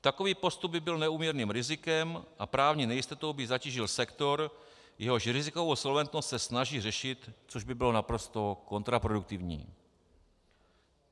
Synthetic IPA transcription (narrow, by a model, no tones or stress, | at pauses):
t̪ako̞viːpo̞st̪ub̚bɪbɪlnɛuːmɲɛɾniːmɾɪzɪkɛmʔapɾaːvɲiːnɛjɪst̪ot̪owbɪzaciːʒɪlsɛkt̪o̞ɾ | jɛɦo̞ʃɾɪzɪko̞vowso̞lvɛnt̪no̞st̪sɛsnaʒiːrɛʃɪt̪t͡soʒbɪbɪlo̞napɾo̞st̪o̞ko̞nt̪ɾapɾoduk̚t̪ɪvɲḭː